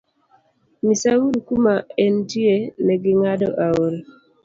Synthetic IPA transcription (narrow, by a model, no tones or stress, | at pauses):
misaulkumaɛntienɛɡɪŋadɔʔaoɾ